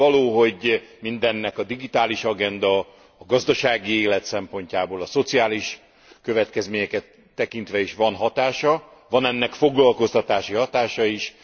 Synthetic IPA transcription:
ɒloːɦo̞ɟmind̪ɛnːɛkɒd̪iɡit̪aːliʃɒɡɛnd̪ɒ | ɒɡɒzd̪ɒʃaːɡieːlɛt̪sɛmpo̞ɲcaːboːlɒso̞t̪siaːliʃ | køvɛt̪kɛzmeːɲɛkɛt̪ːɛkint̪ʋɛiʃʋɒnɦɒt̪aːʃɒvɒnɛnːɛkfo̞ɡlɒlko̞st̪ɒt̪aːʃiɦɒt̪aːʃɒiʃ

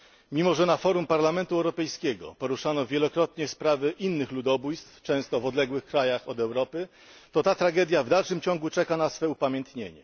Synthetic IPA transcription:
mʲimɔʐɛnafɔɾumpaɾlamɛnt̪uɛwɾɔpɛjskʲɛɡɔ̰pɔɾuʂanɔvʲjɛlɔkɾɔt̪ɲɛspɾavɘʔinːɘxlud̪ɔbujst̪ft͡ʂɛ̃w̃st̪ɔvɔd̪lɛɡwɘxkɾajaxɔd̪ɛwɾɔpɘ | t̪ɔt̪at̪ɾaɡɛd̪javd̪alʂɘmt͡ɕɔ̃ŋɡut͡ʂɛkanasfɛupamʲjɛ̃nt̪ɲeɲɛ

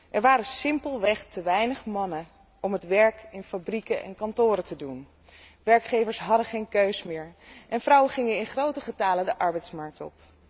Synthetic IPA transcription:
ʔɛɹʋaːɾəsɪmpəlˠʋɛχtəʋɛjnəχmɑnə | ʔɔmɦətʋɛɹkɪnfabrikəʔɛ̰nkɑntʊːɾətədun | ʋɛɹkχejvəɹsɦɑdəχejnkøɥsmɪːɹʔɛnvrɑwəχɪŋənɪnχrowtəχətaːlədəʔɑɹbɛjtsmɑɹk̚tɔ̰p

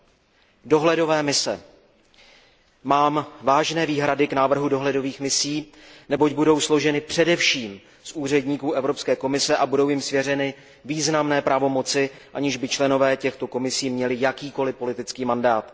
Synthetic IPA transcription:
do̞ɦlɛdo̞vɛːmɪsɛ̰ | maːmvaːʒnɛːviːɦɾadɪknaːvr̩ɦudo̞ɦlɛdo̞viːxmɪsiːnɛbocbudo̞wslo̞ʒɛnɪpr̝̥ɛdɛfʃiːm | sʔuːr̝ɛdɲiːkuːʔɛvɾo̞pskɛːko̞mɪsɛʔabudo̞wjɪmsvjɛrɛnɪ | viːznamnɛːpɾavo̞mo̞t͡sɪʔaɲɪʒbɪt͡ʃlɛno̞vɛːcɛxt̪o̞ko̞mɪsiːmɲɛlɪjakiːko̞lɪpo̞lɪt̪ɪt͡skiːmandaːt̪

